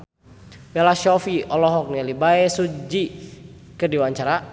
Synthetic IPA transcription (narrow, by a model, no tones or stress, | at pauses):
mɛlaʃɔfiɔlɔɦɔk̚nalibaɛsud͡ʒi | kərdiwaɲt͡ʃaɾa